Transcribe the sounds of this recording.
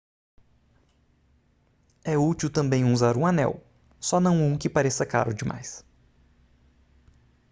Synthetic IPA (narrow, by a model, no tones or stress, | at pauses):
ɛut͡ʃiwt̪ɐ̃mbẽj̃uzaɾũanɛ̰w | sɔnɐ̃w̃ũkɪpaɾesɐka̰ɾʊd͡ʒɪmʔa̰js